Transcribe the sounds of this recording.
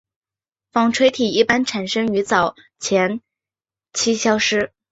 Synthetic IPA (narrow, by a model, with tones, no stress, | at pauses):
fɑ˨˩ŋʈ͡ʂʰwe˧˥ɪt̪ʰi˨˩i˥˩pa˥nʈ͡ʂʰa˨˩nʂɤ˥ŋy˧˥t͡sɑ˨˩ʊ | t͡ɕʰjɛ˧˥n | t͡ɕʰi˥ɕjɑ˥ʊʂɻ̩˥